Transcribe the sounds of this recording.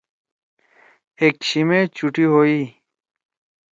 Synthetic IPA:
ekɕimẽːt͡ɕuʈiɦoːiː

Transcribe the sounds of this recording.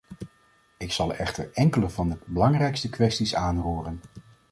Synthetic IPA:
ɪksɑlˠɛχtə̰ɹɛŋkələvɑndəbəlɑŋrɛjkstəkʋɛstisaːnruːrən

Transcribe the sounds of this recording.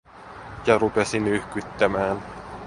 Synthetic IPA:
jɑɾupe̞sinyhkyt̪ːæmæːn

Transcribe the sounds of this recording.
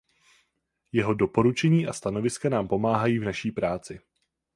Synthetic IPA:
jɛɦo̞do̞po̞ɾut͡ʃɛɲiːʔast̪ano̞vɪskanaːmpo̞maːɦajiːvnaʃiːpɾaːt͡sɪ

